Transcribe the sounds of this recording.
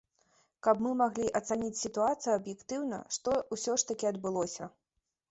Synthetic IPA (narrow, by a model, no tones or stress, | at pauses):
kɐpmɨmaɣlʲiʔɐt̪sanʲit͡sʲsʲit̪uat̪sɨjɐɐbjɛkt̪ɨwnɐ̰ʂt̪ɔwsʲɔʂt̪ɐkʲiɐd̪bɨlˠɔsʲɐ